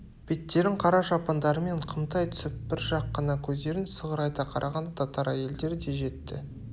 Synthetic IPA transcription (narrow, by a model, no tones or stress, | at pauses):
b̥e̞t̪ːe̞ɾɪŋqʰɑɾɑʒɑpɑnd̪ɑɾəme̞ɴqʰəmt̪ɑjt̪ʰʏ̥sɪpbɪɾʒɑqːɑnɑkʲʰɵzd̪e̞ɾɪnsəʁəɾɑjt̪ɑqʰɑɾʔɑʁɑnd̪t̪ʰɑt̪ɑɾæje̞ld̪e̞ɾɪd̪e̞ʒe̞t̪ːɪ̰